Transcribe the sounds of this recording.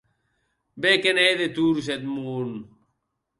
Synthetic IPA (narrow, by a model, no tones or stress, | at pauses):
bekenejd̪et̪uːɾus̬et̪̚muːn